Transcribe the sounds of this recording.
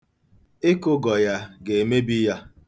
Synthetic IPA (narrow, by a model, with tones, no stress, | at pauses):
ɪ˦kʊ˦ɡɔ˨ja˦ɡe˨me˦bi˦ja˦